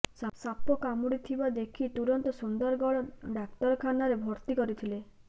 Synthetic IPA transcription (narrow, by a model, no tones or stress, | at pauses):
sasapɔkamuɽit̪ʰibad̪ekʰit̪uɾɔnt̪ɔsund̪ɔɾɡɔɭɔɖaktɔɾɔkʰanaɾebʱɔɾt̪ikɔɾit̪ʰile